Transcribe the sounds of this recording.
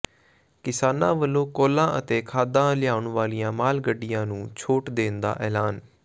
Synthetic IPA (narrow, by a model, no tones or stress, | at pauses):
kɪsaːnãːʋəlõːkoːlãːʔət̪eːkʰaːd̪ãːlɪjaːʊɳʋaːlijãːmaːlɡəɖɪjãːnũːt͡ʃʰoːʈd̪eːnd̪a̰ːʔɛːlaːn